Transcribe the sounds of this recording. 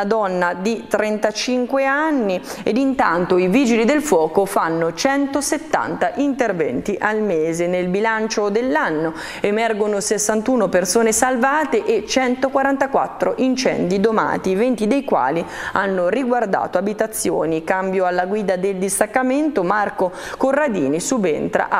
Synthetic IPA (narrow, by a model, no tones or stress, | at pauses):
ad̪ɔnːad̪it̪ɾɛnt̪at͡ʃiŋkweanːi | ed̪int̪ant̪oiviːd͡ʒilid̪elfwɔːkofanːot͡ʃɛnt̪oset̪ːa̰nt̪aʔint̪ervɛ̰nt̪iʔalmeːzenelbilant͡ʃod̪elːanːo | emɛrɡonosesːant̪uːnopersoːnesalvaːt̪eʔet͡ʃːɛnt̪okwaɾant̪akwa̰t̪ːɾoʔint͡ʃɛ̰nd̪id̪oma̰ːt̪ivent̪id̪ejkwa̰ːlia̰nːoriɡward̪a̰ːt̪oabit̪at̪sːjo̰ːnikambjoalːaɡwiːd̪ad̪eld̪ist̪akːament̪omarko | korːad̪iːnisubḛnt̪ɾa̰ʔ